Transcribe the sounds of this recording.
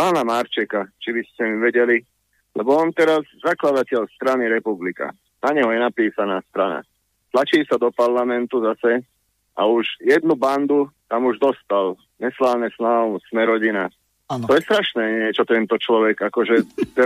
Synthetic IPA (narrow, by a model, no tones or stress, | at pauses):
paːnamaɾt͡ʃɛkat͡ʃibiscɛmiʋɛɟɛli | lɛbɔɔnt̪ɛɾazzaklad̪acɛʎst̪ɾaniɾɛpublika̰ | naɲɛɦɔjɛnapiːsanaːst̪ɾana̰ | t̪lat͡ʃiːsad̪ɔpaɾlamɛnt̪uzasɛ | ʔa̰uʒjɛd̪nuband̪ut̪amuʒd̪ɔst̪al | ɲɛslaːnɛsnasmɛɾɔɟina | t̪ɔjɛst̪ɾaʃnɛːɲɪɛt͡ʃɔt̪ɛnt̪ɔt͡ʃlɔʋɛɡakɔʒɛt̪ɛ